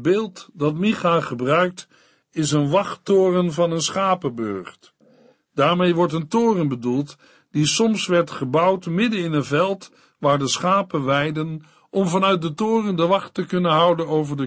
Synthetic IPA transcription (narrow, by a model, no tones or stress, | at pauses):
beːlˠtdɑtmiχaχəbrœɥk̚t | ɪsənʋɑχttoːrənvɑnənsχaːpəbø̰ɹχt | d̥aːɹmejʋɔɹtəntoːrənbədulˠt | d̥isɔmsʋɛɹtχəbʌwtmɪdənɪnənvɛlˠt | ʋaːɹdəsχaːpənʋɛjdən | ʔɔmvɑnœɥt̚dətʊːrəndəʋɑχtəkɵnənɦʌwdənowvəɹdə